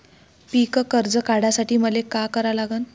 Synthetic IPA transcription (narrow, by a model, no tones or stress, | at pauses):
pikəkəɾd͡zəkaɽasaʈiːməlekakəɾalaɡəːn